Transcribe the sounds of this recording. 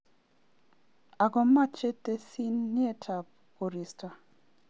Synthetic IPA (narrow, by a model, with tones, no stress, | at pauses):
a˨ɡɔ˨mːa˦t͡ʃe˦tːe˦si˦nːɪ˦e˦tʰa˨p̚ | o˨ɾi˨stʰa˨